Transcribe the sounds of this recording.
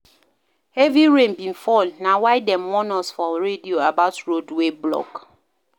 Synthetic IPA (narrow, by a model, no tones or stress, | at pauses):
eviɹẽnbĩnfɔlnawaɪdɛmwɔnɔsfɔɹedioabaʊtɹodweblɔ̰k